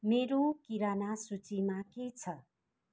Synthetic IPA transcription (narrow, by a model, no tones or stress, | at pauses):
meɾokiɾanasut͡simaket͡sʰʌ